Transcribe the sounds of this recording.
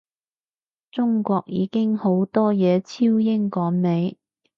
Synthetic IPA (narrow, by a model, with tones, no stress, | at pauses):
t͡sʊ˥ŋkʷɔː˧k̚jḭː˨˧kɪ˥ŋho˨˥wt̪ɔː˥jɛː˨˧t͡sʰiː˥wjɪ˥ŋkɔː˨˥ŋne˨˧j